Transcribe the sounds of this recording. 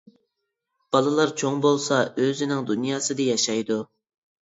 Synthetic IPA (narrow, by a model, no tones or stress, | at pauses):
b̥ɑlˠɨlˠɑɾt͡ʃʰoŋbolˠsɑøzɪnɪŋd̪unjɑːsɨd̪ɨjɑʃɑjd̪u